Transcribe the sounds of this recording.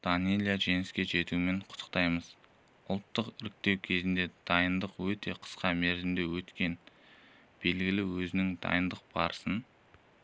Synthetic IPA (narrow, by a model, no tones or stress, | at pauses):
d̪̥ɑnelʲijaʒe̞ŋɪskʲe̞ʒe̞t̪uɪme̞ɴqʰʊt̪ʰːə̥qt̪ɑjməz̥ | ʊlˠt̪ːəqɪɾɪk̚t̪e̞wkʲʰe̞zɪnd̪e̞d̪̥ɑjənd̪əqwɵt̪e̞qʰə̥sqɑmeɾzɪmd̪e̞wɵt̪kʲe̞n | b̥e̞lɡʲɪlɪwɵzɪnɪŋd̪ɑ̰jənd̪əq̚b̥ɑ̰ɾsən